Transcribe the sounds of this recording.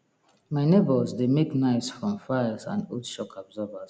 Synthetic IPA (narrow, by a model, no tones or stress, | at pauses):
maɪnebəzdemeknaɪsfɹɔ̃mfaɪsã̰notʃɔkʰɔbzɔvəs